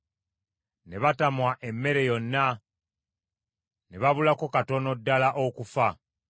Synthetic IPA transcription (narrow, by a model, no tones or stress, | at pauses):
ne̞βatamwaʔe̞mːe̞ɾe̞jo̞nːa | neβaβulakokato̞no̞dːalaʔokufa